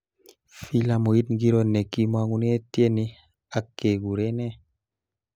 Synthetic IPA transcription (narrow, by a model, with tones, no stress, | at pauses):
fi˦la˧mo˨ji˦tŋɡi˦ɾo˦ne˨kːi˦ma˦ŋu˦n˦e˦tje˦ni˦ | a˨kːe˨ɡu˨ɾe˦ne˦